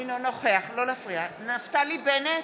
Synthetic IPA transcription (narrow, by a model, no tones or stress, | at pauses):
inonoχeaχlolafʁianaftalibene